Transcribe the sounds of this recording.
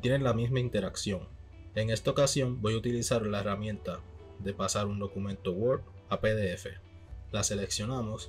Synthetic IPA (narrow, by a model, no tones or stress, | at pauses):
t̪jene̞ŋlamismaint̪e̞ɾaksjo̞ŋ | e̞ŋe̞st̪ao̞kasjo̞mbo̞jut̪ilisaɾlae̞ramjẽ̞nt̪a | ðe̞pasaɾund̪o̞kumẽ̞nt̪o̞wo̞ɾk | apeðe̞e̞fe̞̰ | lase̞le̞ksjo̞namo̞s